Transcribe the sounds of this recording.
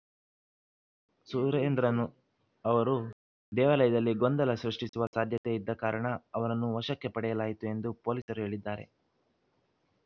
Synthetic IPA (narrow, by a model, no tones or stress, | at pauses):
suɾɐend̪ɾɐnːu | ɐʋɐɾu | d̪ɛːʋalɐjɐd̪ɐlːiɡond̪ɐlɐsɾɐʂʈisuʋɐsaːd̪ʱjɐt̪eid̪ːɐkaːɾɐɳɐːʋɐɾɐnːuʋɐʃɐkːe̞pɐɽɛjɐlaːjit̪ue̞nd̪upo̞ːlisɐɾuɦe̞ːɭid̪ːaːɾe̞̰